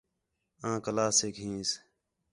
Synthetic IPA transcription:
ãːkəlaːseːkɦĩːs

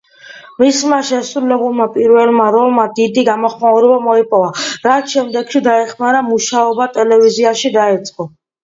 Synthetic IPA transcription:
mismaʃɛsɾulɛbulˠmapʼiɾvɛlˠmaɾɔlˠmad̪id̪iɡamɔχmauɾɛbamɔipʼɔvaɾat̪ʰʃɛmd̪ɛɡʃid̪aɛχmaɾamuʃaɔbat̪ʼɛlɛviziaʃid̪aɛt̪sʼqʼɔ

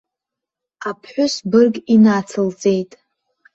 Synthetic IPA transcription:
apʰħʷᶣʊsbɨrɡʼinat͡sʰɨlt͡sʼe̞jtʼ

